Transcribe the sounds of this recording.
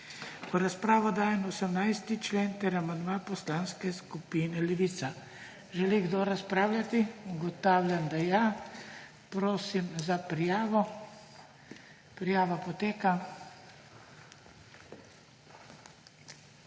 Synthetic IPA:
ɔɾaspɾaːʋɔd̪aːjɛnɔsɛmnajst̪it͡ʃleːnt̪ɛɾamand̪mapɔslaːnskɛskupiːnɛlɛʋiːt̪sa | ʒɛliɡd̪oɾaspɾaːwlʲjat̪iuɡɔt̪aːwlʲand̪aja | pɾoːsimzapɾijaːʋɔ | pɾijaːʋapɔt̪eːka

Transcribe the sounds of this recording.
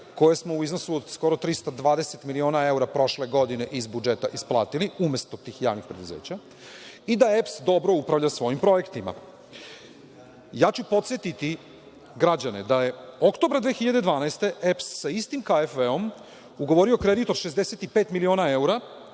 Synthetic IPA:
ko̞jesmo̞uizno̞suod̪sko̞ɾo̞t̪ɾist̪ad̪ʋaːd̪e̞set̪milio̞ːnae̞uɾapɾo̞ʃle̞ɡo̞d̪ine̞ʔizbud͡ʒet̪aʔisplˠa̰ːt̪iliumjest̪o̞t̪iːxja̰ːʋnixpɾe̞d̪uzḛːt͡ɕa | id̪aepsd̪o̞bɾo̞upɾaʋvʎasʋo̞jimpɾo̞je̞kt̪ima̰ | jaːt͡ɕupo̞t̪sjet̪it̪i | ɡɾad͡ʑaned̪aje̞okt̪o̞bɾad̪ʋexiʎad̪e̞d̪ʋaːnaest̪eepsːaist̪imkaefʋeo̞m | uɡo̞ʋo̞ɾio̞kɾe̞d̪it̪o̞d̪ʃezd̪e̞se̞t̪ipeːt̪milio̞nae̞uɾa

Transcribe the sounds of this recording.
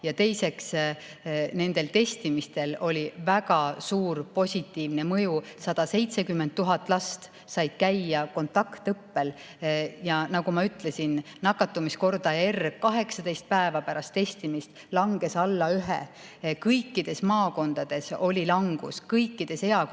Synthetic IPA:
jɑt̪e̞jse̞ks | ne̞nd̪̥e̞lt̪e̞st̪imist̪e̞lo̞lʲivæɡ̥ɑsuːɾpo̞sʲit̪ːˑiːvne̞mɤjusɑd̪̥ɑse̞jt̪se̞kymːe̞nt̪̚ːuɦɑt̪ːˑlɑst̪ | sɑjd̪̥kæjːɑko̞nt̪ːˑɑkt̪ɤpːe̞l | jɑnɑɡ̥umɑyt̪ːle̞sinnɑkːɑt̪ːˑumisko̞rd̪ɑerkɑɦe̞ksɑd̪e̞jst̪̚pæevɑpæɾɑst̪ːe̞st̪imist̪ | lɑŋɡ̥e̞sɑlːɑyɦe | kɤjkːid̪̥e̞smɑːko̞nd̪̥ɑd̪̥e̞so̞lʲilɑŋɡ̥ṵskɤjkˑːid̪̥e̞se̞ɑ

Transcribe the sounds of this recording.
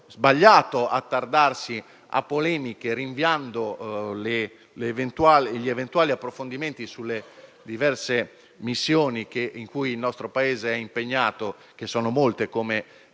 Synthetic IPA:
zbaʎːaːt̪oʔat̪ːard̪arsi | a̰pːolɛːmikeɾiɱviand̪ole | levent̪uaːlʎiɛvent̪waːliapːɾofond̪iment̪isulːe | d̪ivɛrse | misːjoːnikeʔiŋkujilnɔst̪ɾopaeːzeɛimpeɲːaːt̪o | k̟esːɔːnomolt̪ekoːme

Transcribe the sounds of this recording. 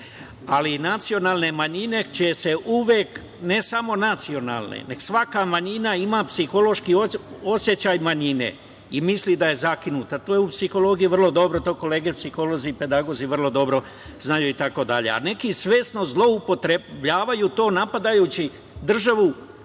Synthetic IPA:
alinat̪sio̞naːlˠne̞maɲine̞t͡ʃese̞ʔuʋjek | ne̞samo̞nat̪sio̞na̰ːlˠnḛneɡ̥sʋakamaɲinaimaːpsixo̞lo̞ʃkioo̞sje̞t͡ɕaːjmaɲine̞̰ | imislid̪aje̞zakinut̪at̪ojeupsixo̞lo̞ɡijiʋrlˠo̞d̪o̞bɾot̪o̞ko̞le̞ːɡepsixo̞lo̞zipe̞d̪aɡo̞ziʋərlˠo̞d̪o̞bɾo̞ | znajuːit̪ako̞d̪aʎḛa̰ne̞kisʋe̞ːsno̞zlˠo̞upo̞t̪ɾebʎaːʋajut̪o̞ːnapad̪ajuːt͡ɕi | d̪r̩ʒaʋu

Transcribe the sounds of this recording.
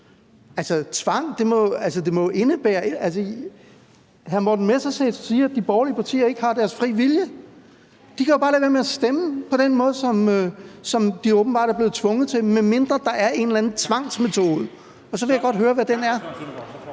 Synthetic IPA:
ælsət͡sʰʋɑ̈ŋ̰d̥e̝mɒ̽ælsəd̥e̝mɒ̽ʔe̝nəb̥æːɐe̝æls̬ə | ɦænmɒd̥n̩mesɑsḛːssiːæd̥̚ib̥ɒːliəpʰɑ̈t͡sʰḭːɐe̝ɡ̥əhɑ̈d̥æɐsfʁḭːʋiljə | d̥ikʰæjo̥ɑ̈ːlɛːʋæːɐmeæsd̥eməpʰɒ̽d̥enmɔ̽ːð̞̩ˠsɒ̽møsɒ̽md̥iɔːb̥n̩b̥ɑ̈ːɾæɐble̝ːð̩ˠt͡sʰʋɔ̽ŋð̩ˠt͡sʰe̝menme̝nd̥ʁɐd̥ɑ̈ʔæɐʔe̝nlænð̩t͡sʰʋɑ̈ŋ̰sme̝t͡sʰo̝ːðˠə | ɒ̽sɒ̽ʋe̝jɑɡ̥ɒ̽d̥ɦøːɐʋæd̥enæɐ

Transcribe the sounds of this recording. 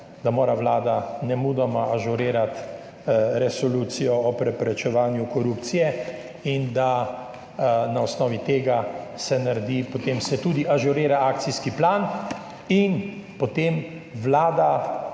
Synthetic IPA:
d̪amoːɾaʋlaːd̪anɛmuːd̪ɔmaaʒuɾeːɾat̪ | ɾɛsɔluːt̪sijɔɔpɾɛpɾɛt͡ʃɛʋaːnjukɔɾuːpt̪sijɛ | ind̪a | naɔsnɔːʋit̪eːɡasɛnaɾɛd̪ipɔt̪eːmsɛt̪uːd̪iʔaʒuɾeːɾaaːkt̪sijskiplaːn | inpɔt̪eːm | ʋlaːd̪a

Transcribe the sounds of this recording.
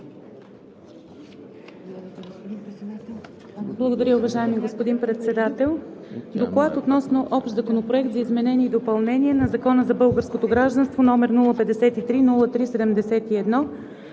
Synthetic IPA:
blˠəɡod̪ɐɾʲjəʊvɐʒaɛmiɡospod̪inpɾɛt̪sɛd̪at̪ɛlˠd̪oklˠat̪ot̪nɔsnoʔɔpʃt̪zɐkonopɾoɛkt̪zɐizmɛnɛniːd̪opɐlˠnɛniɛnɐzɐkɔnəzɐbɤlˠɡəɾskot̪oɡɾaʒd̪ənst̪vonɔmɛɾnulˠəpɛd̪ɛsɛt̪it̪ɾinulˠət̪ɾisɛd̪ɛmd̪ɛsɛt̪iɛd̪nɔ

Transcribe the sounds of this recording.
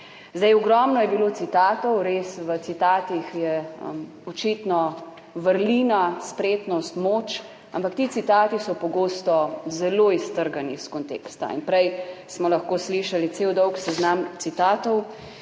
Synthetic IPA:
zd̪ɛjɔɡɾɔmnɔjɛbilot̪sit̪aːt̪ɔwɾesʋət̪sit̪aːt̪ixjɛə̰m | ɔt͡ʃit̪nɔ | ʋəɾliːnaspɾeːt̪nɔst̪moːt͡ʃ | ampakt̪iːt̪sit̪aːt̪isɔpɔɡoːst̪ɔzɛloːist̪əɾɡaniskɔnt̪ḛːkst̪a̰ḭnpɾɛjsmɔlɐxkoːsliːʃalit̪sewd̪ɔwksɛznamt̪sit̪aːt̪ɔw

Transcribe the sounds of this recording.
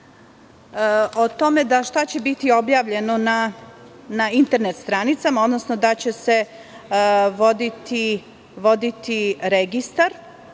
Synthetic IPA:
ot̪o̞me̞d̪aʃt̪at͡ɕe̞bit̪io̞bjaːʋʎe̞no̞na | naint̪e̞ɾne̞t̪st̪ɾaːnit̪samao̞d̪nosno̞d̪at͡ɕe̞se̞ | ʋo̞d̪it̪i | ʋo̞d̪it̪iɾeɡist̪aɾ

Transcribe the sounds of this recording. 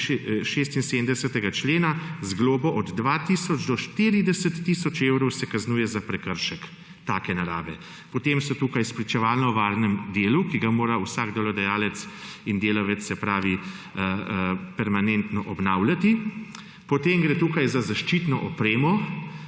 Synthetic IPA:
ʃest̪insed̪md̪ɛsɛt̪ɛɡat͡ʃleːnazɡloːbɔʔɔd̪ːʋaːt̪isɔd͡ʒd̪ɔʃt̪iɾid̪ɛsət̪ːisɔt͡ʃeːwɾɔwsɛkaznuːjɛzapɾɛkəɾʃək | t̪aːkɛnaɾa̰ːʋɛ | pɔt̪emsɛt̪uːkajspɾit͡ʃɛʋaːlnɔʋaːɾnɛmd̪eːlukiɡamoːɾawsaɡd̪ɛlɔd̪ɛjaːlɛt̪sind̪eːlɔʋɛt̪sːɛpɾaːʋi | pɛɾmanent̪nɔʔɔbnawljat̪i | pɔt̪emɡɾeːt̪uːkajzazaʃt͡ʃit̪nɔʔɔpɾeːmɔ

